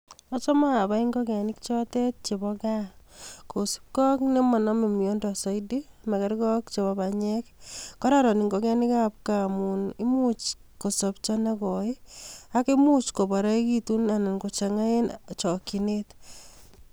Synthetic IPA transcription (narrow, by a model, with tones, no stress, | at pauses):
ɔt͡ʃɔ˦maː˦˨ba˦i˦ŋɡɔ˦kɛ˨nɪ˦kt͡ʃɔtɛ˦t̚t͡ʃe˨bɔka | ko˨si̥˦p̚kɔ˦kne˦mɔ˨nɔ˦me˨mijo˦ndɔ˨sɔ˦idima˨kɛ˦ɾkɔ˦kt͡ʃe˨bɔbaɲɛkkːɔ˦ɾa˦ɾɔ˨ni˨ŋɡo˦kɛ˦ni˦ka˦p̚kamunɪ˦mut͡ʃko˨sopt͡ʃɔ˦na˦kɔi˦a˦kɪ˦mu˦t͡ʃko˨ba˨ɾɔ˦i˦kitu˦na˨na˨nko˨t͡ʃa˨ŋa˦e˦nt͡ʃɔ˨ki˨net